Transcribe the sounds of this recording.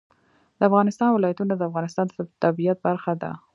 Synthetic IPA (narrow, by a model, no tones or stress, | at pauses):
d̪əafɣɑnɪst̪ɑnwɪlɑjat̪unad̪əafɣɑnɪst̪ɑnd̪ət̪abijat̪̚baɾxad̪a̰